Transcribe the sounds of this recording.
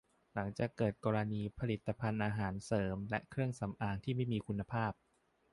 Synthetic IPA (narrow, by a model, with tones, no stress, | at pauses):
la˩˦ŋt͡ɕaː˨˩kːɤː˨˩t̪̚kɔː˧ɾa˧niː˧pʰa˧li˨˩t̪ːa˧pʰa˧nʔaː˧ɦaː˩˦nsɤː˩˦mlɛ˦˥kʰɾɯ˥˩əŋsa˩˦mʔaː˧ŋt̪ʰiː˥˩ma˥˩jmiː˧kʰu˧nːa˧pʰaː˥˩p̚